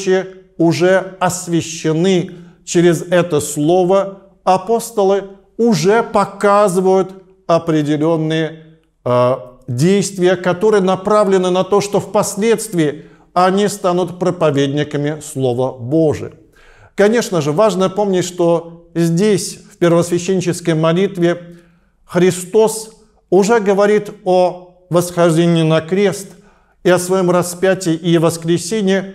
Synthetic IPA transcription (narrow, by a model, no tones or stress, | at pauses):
t͡ɕɪʊʐɛɐsvʲɪɕːɪnɨt͡ɕɪɾʲɪzɛt̪əslˠo̞və | ɐpo̞st̪əlˠɨ | ʊʐɛpɐkazɨvəjʊt̪ | ɐpɾʲɪdʲɪlʲo̞nːɨjə | dʲejst̪vʲɪjəkɐt̪o̞ɾɨjənɐpɾavlʲɪnɨnɐt̪o̞ʂt̪o̞fpɐsʲlʲe̞t̪st̪vʲɪː | ɐnʲist̪anʊt̪pɾəpɐvʲedʲnʲɪkəmʲɪslˠo̞vəbo̞ʐɨ̰ | kɐnʲe̞ʂnəʐɨvaʐnəpo̞mnʲɪtʲʂt̪o̞zʲdʲesʲfʲpʲɪrvəsvʲɪɕːenʲɪt͡ɕɪskəjmɐlʲit̪vʲɪ | xɾʲɪst̪o̞s | ʊʐɛɡəvɐɾʲit̪o | vəsxɐʐdʲenʲɪːnɐkɾʲe̞st̪ | ɪɐsvɐjo̞mrɐspʲætʲɪʔɪvəskɾʲɪsʲenʲɪjə